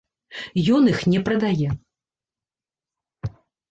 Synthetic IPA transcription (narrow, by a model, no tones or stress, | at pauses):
jɔnixnʲɛpɾɐd̪ajɛ